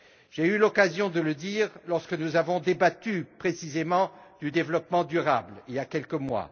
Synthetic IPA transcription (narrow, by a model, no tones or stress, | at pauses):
ʒeylɔkazjɔ̃d̪ələd̪iːʁlɔʁskənuzavɔ̃d̪ebat̪ypχesizemɑ̃d̪̥yd̪evlɔpmɑ̃d̪yʁabliljakʲɛlkəmwa̰